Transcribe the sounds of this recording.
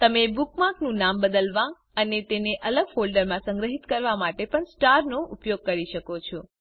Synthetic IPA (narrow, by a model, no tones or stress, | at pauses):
t̪əmebukmaknũnambəd̪əlʋã | ənet̪eneʔələɡfolɖəɾmãsə̃ŋɡɾəɦit̪kəɾʋamaʈepəɳsʈaɾnoupjoɡ̚kəɾiʃəkot͡ʃʰo